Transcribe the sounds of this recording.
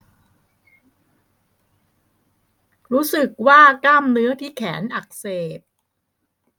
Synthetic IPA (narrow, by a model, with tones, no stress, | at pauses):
ɾuː˦˥sɯ˨˩k̚waː˥˩klaː˥˩mnɯ˦˥ɐt̪ʰiː˥˩kʰɛː˩˦nʔa˨˩k̚seː˨˩p̚